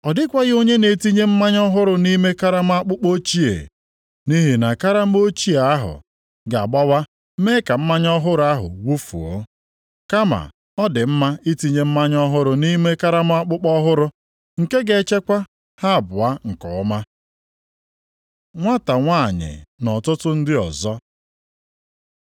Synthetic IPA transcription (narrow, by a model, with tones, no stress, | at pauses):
ɔ˨dɪ˦kʷa˦ɣɪ˦o˦ɲe˦ne˨ti˦ɲe˦m̩˦ma˦ɲɔ˦ɦʊ˦ɾʊ˨ni˦me˦ka˦ɾa˦m̩˦a˦k͡pʊ˦k͡po˦t͡ʃi˦ḛ˨ | ni˦ɦi˨na˨ka˦ɾa˦m̩˦o˦t͡ʃi˦a˨a˦ɦʊ̰˨ | ɡa˨ɡ͡bɔ˦wa˦ | me˦ka˨m̩˦ma˦ɲɔ˦ɦʊ˦ɾʊ˨˦a˦ɦʊ̰˨wu˦fṵ˨o̰˦ | ka˦ma̰˨ | ɔ˦dɪ˨m̩˦ma˦i˦ti˨ɲe˦m̩˦ma˦ɲɔ˦ɦʊ˦ɾʊ˦ni˦me˦ka˦ɾa˦m˦a˦k͡pʊ˦k͡pɔ˦ɦʊ˦ɾʊ˦ | ŋ̩˨ke˦ɡe˨˦t͡ʃe˦kʷa˦ | ha˦˨bʊ˨a˦ŋ̩˨kɔ˨ʊ˦ma˦ | ŋʷa˦ta˨ŋʷa˦˨ɲɪ̰˨nɔ˨tʊ˦tʊ˦n̩˦dɪ˦ɔ˨zɔ˦